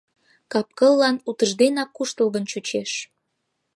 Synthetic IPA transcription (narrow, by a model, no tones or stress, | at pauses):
kɑp̚kəlːɑnut̪əʒd̪enɑkːuʃt̪əlˠɣənt͡ɕut͡ɕeʃ